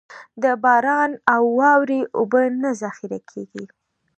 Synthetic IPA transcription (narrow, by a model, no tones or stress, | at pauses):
d̪əbɑɾɑnawːɑwɾeʔobənazaxiɾakʰḛɡi